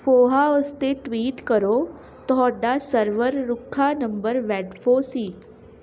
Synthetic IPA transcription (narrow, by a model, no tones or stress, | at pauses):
foɦaəst̪eʈʋiːʈkəɾo | t̪ɔɖasəɾʋəɾːukʰːanəmbəɾʋɛɖfosiː